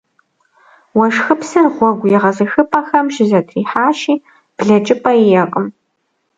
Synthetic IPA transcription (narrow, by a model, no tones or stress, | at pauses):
wɐʂxɨpsɨnʁʷɔɡʷjiʁɐzɨxɨpʰʼaxɐmʒɪzɐtʰriːħaːʃiː | b̥ɮɐt͡ʃʼɪpʰʼɐijɛqʼəm